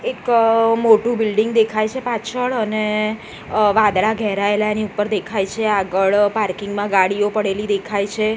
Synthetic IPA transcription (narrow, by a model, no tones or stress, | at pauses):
ekmoʈũbɪlɖiŋɡd̪ekʰajt͡ʃʰepat͡ʃʰəɭəne | ʋãd̪ɭaɡʱɛɦɾaelaeniupːəɾd̪ekʰajt͡ʃʰeaɡəɭpaɾkɪŋɡmãɡaɽijopəɽelid̪ekʰajt͡ʃʰe